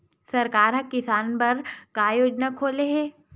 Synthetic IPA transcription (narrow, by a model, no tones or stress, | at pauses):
sɐɾkaːɾɦɐ̃kːɪsaːnpɐɾkaːjoːd͡ʒnakʰoːleɦɛː